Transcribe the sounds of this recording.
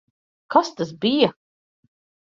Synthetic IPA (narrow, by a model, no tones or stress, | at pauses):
kast̪asbija